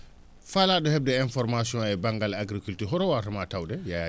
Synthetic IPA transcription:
faladɔhɛb̚dɛɛnfɔɾmasiɔ̃ajbaŋɡalaɡɾikultiɾɦɔɾɔwarɐmatawdɛjaa

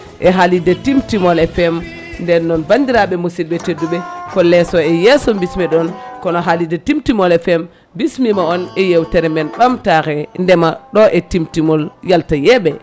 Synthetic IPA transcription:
ʔɛɦalidɛtimtimɔlɛfɛm | ndɛnːɔnbandiɾaɓɛmusilɓɛtedːuɓɛkɔlɛsɔɛjɛsɔmbismɛɗɔnkɔnɔɦalidɛtimtimɔlɛfɛm | bismimaɔnɛjewtɛɾɛmɛnɓamtaɾɛndɛmaɗɔʔɛtimtimɔljaltajɛɓɛ

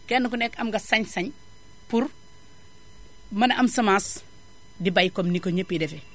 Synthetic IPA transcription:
kɛnːɐkunɛkɐmɡɐsɐɲsɐɲ | puɾ | mɐnɐʔɐmsɐmas | dibajkomnikoɲəpːidɛfɛ

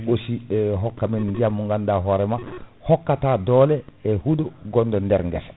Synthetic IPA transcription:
osiɦɔkːaminndijamuŋɡandaɦoɾɛmahɔkːatadolɛehudoɡɔndondɛɾŋɡɛse̥

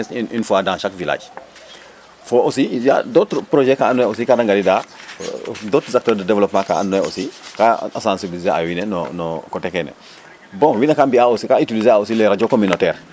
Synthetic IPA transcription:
sinfuadãŋʃakvila̰ːd͡ʒ | foʔosija̰dotpɾoʒɛkaːnːuɛosikadaŋɡaɾida | dotzak̚tɔɾdədevlopmãŋka̰a̰nːɛo̰sikaasãnsibilizea̰winɛnɔ̰nɔkɔtɛkɛnɛ̰ | bɔ̃ŋwinakambiaosikaitilizeaosileɾad͡ʒokominotɛːɾ

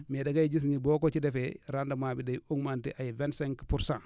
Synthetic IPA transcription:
medaɡajid͡ʒis̬ɲibokot͡ʃidefeɾandamabidejuŋmantḭʔajivenseŋkpuɾsã

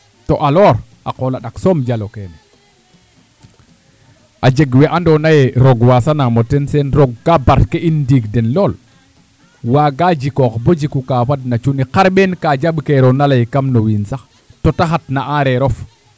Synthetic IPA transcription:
toʔalɔːɾ | ʔaqolaɗaksomd͡ʒaloken | ʔad͡ʒeɡwɛʔandonajeɾoɡwasanamotensɛnɾoɡːabaɾkeindiɡdɛnloːl | waːɡad͡ʒikokbod͡ʒikukafadnat͡ʃuniqaɾɓenkaːd͡ʒaɓkeɾonalajkamnowinsax | totaxat̚naaɾeɾof

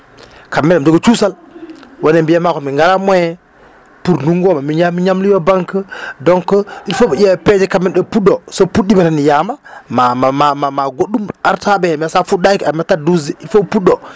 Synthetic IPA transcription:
kamːenad͡ʒoɡot͡ʃusal | wonembijamakumiŋɡaɾamojɛ | puɾnuŋɡomamiɲamiɲamlijobaŋkədoŋkoilfobaɟaped͡ʒikamːinɗopudosopudimatanijamamamamamamaɡoɗumaɾtabemasafudakamataduziilfopuɗo

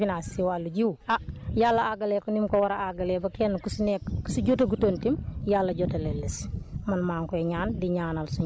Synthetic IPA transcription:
inasiwaluɟiwajalːɐaɡɐleːkunimkowɐɾaaɡɐlɛbɐkɛnːkusunɛkkusuɟotɐɡutontimjalːɐɟotɐlelːismɐnmaːŋkueɲaːndiɲaːnalsu

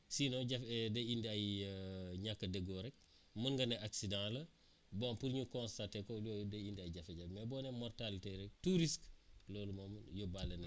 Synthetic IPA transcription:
sinoɟafdɐindiaj | ɲakːɐdɐɡoɾɛk̚ | munɡɐneʔaksidãlɐ | bompuɾɲukɔ̃nstatekolodɐindiajɟɐfeɟamebɔːnemɔrtaliteɾɛk̚tuɾisklolumomjobalen

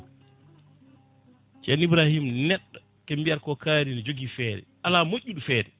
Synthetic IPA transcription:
t͡ʃɛnibɾahimnɛɗːɔ | kembijaɾkɔkʰaːɾinɛd͡ʒoɡifɛːɾɛ̰ʔalamoʔːuɗufɛːɾɛ

